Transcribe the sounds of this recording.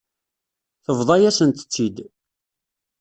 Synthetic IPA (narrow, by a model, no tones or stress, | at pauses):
θəvðˤɑjæsənt̪ə̥t͡sːid̪